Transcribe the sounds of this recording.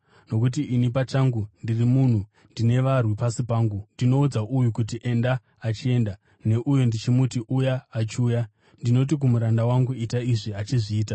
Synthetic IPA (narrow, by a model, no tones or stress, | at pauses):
no̞k̬ut̬iʔinipat͡ʃaŋɡundirimun̤u | ndine̞ʋarwipasipaːŋɡundino̞ud͡zaʔujukut̬iʔe̞ndaː | t͡ʃie̞nda | ne̞ʔujo̞ndit͡ʃimutiʔujaːt͡ʃiuːja | ndino̞t̬ik̬umuɾandawaŋɡuitaiʐiat͡ʃiʐiːta